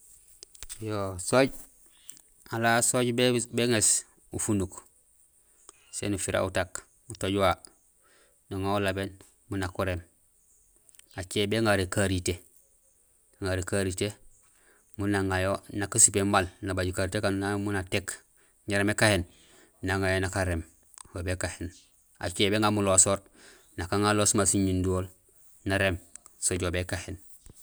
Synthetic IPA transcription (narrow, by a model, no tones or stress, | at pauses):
josoɟ | alasoɟbebeŋes | ufunuk | sḛːnufiɾa̰utak | utoɟwa | nuŋoulaben | munakuɾem | at͡ʃebeŋaɾekaɾite | ŋaɾekaɾite | munaŋajonakasupemmalnabaɟukaɾitekannamunatek | ɲaɾemekahen | naŋajonakaɾem | wobekahen | a̰t͡ʃeːbeŋamulosoːɾ | nakaŋalosumasiɲunduoːl | naɾemsoɟobekahen